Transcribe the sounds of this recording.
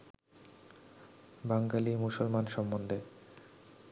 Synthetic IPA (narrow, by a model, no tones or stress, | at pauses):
baŋɡalimusolmanʃɔmːond̪ʱe